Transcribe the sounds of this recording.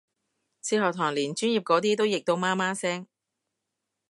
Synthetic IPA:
sʰiː˧hɔː˨k̚t̪ʰɔː˨˩ŋliː˨˩nt͡ʃyː˥njiː˨p̚kɔː˨˥t̪iː˥t̪o˥wjɪ˨k̚t̪o˧wmaː˥maː˥sɛː˥ŋ

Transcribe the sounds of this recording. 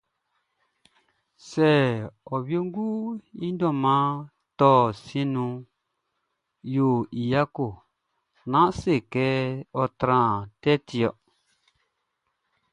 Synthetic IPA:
sɛ˨ɔ˨bjo˦ŋ˦ɡu˦i˦n˦dɔ˦˨mã˦ | tɔ˦˨sĩ˦nũ˧ | jo˨i˨ja˦ko˨ | nã˦se˦˨kɛ˦ɔ˧tɾã˨tɛ˦ti˨ɔ˨ʔ

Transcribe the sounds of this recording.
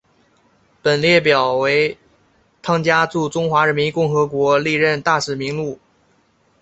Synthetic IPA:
pə˨˩nljɛ˥˩pjɑ˨˩ʊwe˧˥ɪ | t̪ʰɑ˥ŋt͡ɕja˥t͡su˥˩ʈ͡ʂʊ˥ŋxwa˧˥ɻə˧˥nmi˧˥nkʊ˥˩ŋxɤ˧˥kwɔ˧˥li˥˧ɻə˥˧nt̪a˥˩ʂɻ̩˨˩mi˧˥ŋlu˥˩

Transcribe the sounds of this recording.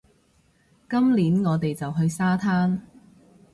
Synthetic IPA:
kɐ˥mliː˨˥nŋɔː˨˧t̪e˨jt͡sɐ˨wɦɵ˧ɥsaː˥t̪ʰaː˥n

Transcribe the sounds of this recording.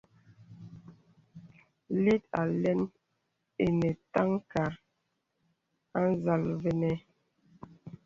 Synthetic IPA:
li˦t̚a̰˨lɛ˦n | e˨ne˨ta˦ŋka˨ɾ | a˦n˦za˨lve˦nɛ˦

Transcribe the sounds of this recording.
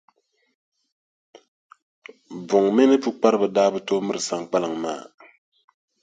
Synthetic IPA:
bʊ˨ŋmɪ˦nɨ˦pu˦k͡pa˦ɾɨ˦bɨ˨daː˦bɨ˦to˦mɨ˦ɾɨ˨sa˨ŋk͡pa˦lɨ˨ŋmaː˦˨

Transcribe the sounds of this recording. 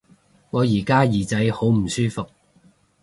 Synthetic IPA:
ŋɔː˨˧jiː˨˩kaː˥jiː˨˩t͡sɐ˨˧jho˨˥wm̩˨˩syː˥fʊ˨k̚

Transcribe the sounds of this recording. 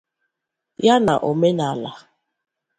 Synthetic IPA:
ja˦na˨ʔo˨me˦na˨la˨

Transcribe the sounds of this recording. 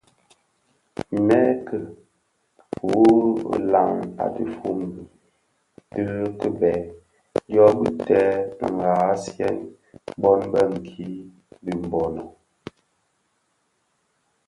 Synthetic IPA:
mɛ˦kə˨ | pu˨˦˨la˨ŋa̰˨tɨ˦fu˦ŋ˨bi˨ | tɨ˦kə˦bɛ˨ | djɔ˦bi˦tɛ˦bŋ˨ɡa˨˦sjɛ˦n | bɔ˦nbə˦˨ŋ̩˨kʰi˦ | bi˨m˨bɔ˨nə˨

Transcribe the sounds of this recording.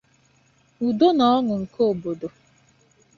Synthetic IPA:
u˨do˦nɔ˦ɔ˦ŋʊ˨ŋ̩˨ko˨bo˨do˨

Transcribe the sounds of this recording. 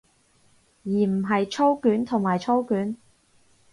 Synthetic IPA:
jiː˨˩m̩˨˩ɦɐ˨jt͡ʃʰo˥wkyː˨˥nt̪ʰʊ˨˩ŋmaː˨jt͡ʃʰo˥wkyː˨˥n

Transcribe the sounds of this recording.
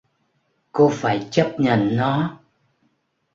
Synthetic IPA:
ko˧faː˧˩jt͡ɕə˦˥p̚ɲə̰˧˩˨nːɔ˨˦

